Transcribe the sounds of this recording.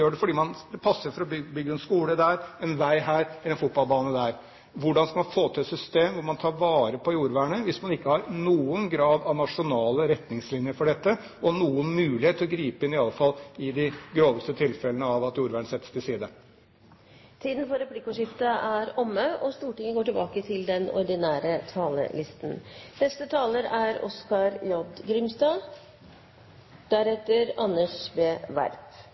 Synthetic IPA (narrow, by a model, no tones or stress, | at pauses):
jøːɖɛfɔɖiːmɑnd̪ɛpʰɑsːəɾfɔɾɔbʏbʏɡːəɛnskuːləd̪æːɾɛnʋæɪɦæːɾɛlɛnfʊt̪̚bɑlbɑːnəd̪æːɾ | ʋʊɖɑnskɑmɑnfoːt̪ʰɪɛt̪sʏst̪eːmʋʊɾmɑnt̪ʰɑːɾʋɑːɾəpʰɔjuːɾʋæːɳəʋɪsmɑnɪkːəhɑɾnuːənɡɾɑːd̪ɑʋnɑʂʊnɑːləɾɛt̪nɪŋslɪnjəɾfɔɖɛt̪ːə | ɔnuːənmʉːlɪeːt̪ʰːɪlɔɡɾiːpəɪnːɪɑlːəfɑlːɪd̪ɪɡɾoːʋəst̪ət̪ʰɪlfɛlənəɑʋɑt̪juːɾʋæːɳsɛt̪ːə̥st̪ʰɪlsiːd̪ə | t̪ʰiːd̪n̩fɔɾɛplɪkːʊʂɪft̪əʔæɾɔmːəʔɔst̪uːʈɪŋəɡoːʈɪlbɑːkət̪ʰɪld̪ɛnɔ̰ɾɖ̪ɪnæːɾət̪ʰɑːlə̰lɪst̪nnɛst̪ət̪ʰɑːləɾæɾɔ̰skɑɾjɔd̪ɡɾʏmst̪ɑː | d̪̥æɾɛt̪ːəɾɑnːəʂbeːʋæ̰ɾp